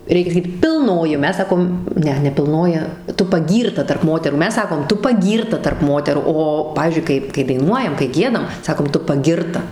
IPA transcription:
ˈrʲɛɪkʲɛ sɐˈkʲiːt pʲɪlˠˈnoːjɪ oː ˈmʲɛs ˈsɑːkoːm ˈnʲɛ nʲɛ pʲɪlˠˈnoːjɪ ˈtʊ pɐˈɡʲiːrtɐ tɐrp ˈmoːtʲɛruː ˈmʲɛs ˈsɑːkoːm ˈtʊ pɐˈɡʲiːrtɐ tɐrp ˈmoːtʲɛruː ˈoː ˈpɑːʋʲiːzʲd͡ʒʲʊɪ ˈkɐɪ kɐɪ dɐɪˈnuɔjɛm kɐɪ ˈɡʲiɛdɐm ˈsɑːkoːm ˈtʊ pɐˈɡʲɪrtɐ

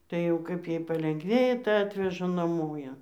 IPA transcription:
tɐɪ jɛʊ ˈkɐɪp ˈjɛɪ pɐlʲɛŋɡˈʋʲeːjɛ tɐɪ ˈɑːtʲʋʲɛʒɐ nɐˈmoː ˈjæː

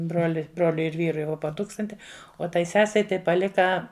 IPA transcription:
ˈbroːlʲɪ ˈbroːlʲʊɪ ɪr ˈʋʲiːrʊɪ ˈʋoː poː ˈtuːkstɐnʲtʲɪ oː ˈtɐɪ ˈsʲæːsʲɛɪ ˈtɐɪ pɐˈlʲɪkɐ

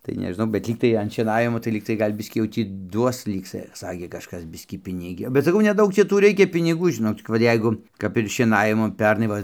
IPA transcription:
tɐɪ nʲɛʒʲɪˈnɐʊ bʲɛt ˈlʲiːktɐɪ ɐn ʃʲiɛˈnɑːʋʲɪmoː tɐɪ ˈlʲiːktɐɪ ˈɡɐlʲ ˈbʲɪsʲkʲiː jɛʊ ˈtʲiː ˈduɔs ˈlʲiːk sɐ ˈsɑːkʲeː kɐʃˈkɐs ˈbʲɪsʲkʲiː ˈpʲɪnʲɪɡʲoː bʲɛt sɐˈkɐʊ nʲɛˈdɐʊk ˈt͡ʃʲɛ ˈtuː ˈrʲɛɪkʲɛ pʲɪnʲɪˈɡuː ʒʲɪˈnoːk t͡sʲɪk ˈʋɐ ˈjɛɪɡʊ kɐp ɪr ʃʲiɛˈnɑːʋʲɪmʊ ˈpʲɛrnɐɪ ˈʋɐ

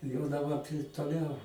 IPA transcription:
jɛʊ dɐˈbɐ toːˈlʲɛʊ

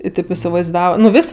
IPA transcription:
ɪ ˈtʲeːp ɪsʲɪʋɐɪˈzdɑːʋɐ nʊ ˈʋʲɪsʲ

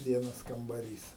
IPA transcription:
ˈʋʲiɛnɐs kɐmbɐˈrʲiːs

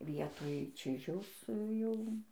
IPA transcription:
ˈʋʲiɛtoːj ˈt͡ʃʲɪʒʲɛʊs ˈjɛʊ

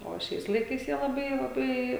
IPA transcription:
oː ˈʃʲɛɪs lˠɐɪˈkɐɪs jiɛ lˠɐˈbɐɪ lˠɐˈbɐɪ

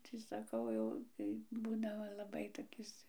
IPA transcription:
tʲɪ sɐˈkɐʊ jɛʊ tɐɪ ˈbuːdɐʋoː lˠɐˈbɐɪ toːˈkʲɪs

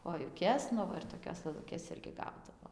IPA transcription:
koːjʊˈkʲɛs ˈnʊ ʋɐ ɪr toːˈkʲoːs lˠɘˈlˠʊkʲeːs ˈɪrʲɡʲɪ ˈɡɐʊdɐʋoː

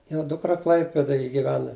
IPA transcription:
ˈʋʲiɛnɐ ˈdʊkrɐ ˈklˠɐɪpʲɛdɐj ɡʲɪˈʋʲæːnɐ

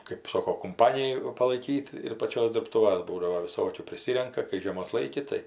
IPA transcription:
kɜp ˈsoːkoː kʊmˈpɑːnʲɪjʊ pɐlˠɐɪˈkʲiːt ɪr pɐˈt͡ʃʲoːs dʲɪrpˈtuːʋɐs ˈbuːdɐʋoː ʋʲɪˈsoːkʲuː pʲrʲɪˈsʲɪrʲɛŋkɐ kɐɪ ʒʲiɛˈmoːs ˈlˠɐɪkʲɪ tɐɪ

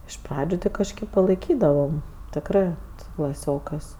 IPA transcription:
ɪʃ ˈprɑːd͡ʒʲʊ tʲɪ kɐʃʲˈkʲeːp pɐlˠɐɪˈkʲiːdɐʋɐm tʲɪkˈrɜ sʊ klˠɐˈsʲoːkɜs

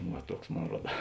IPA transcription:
ʋɐ ˈtuɔks ˈmoːn ˈruɔdɐ

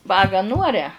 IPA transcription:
ˈʋɑːɡɑː ˈnuːɐrʲɛ

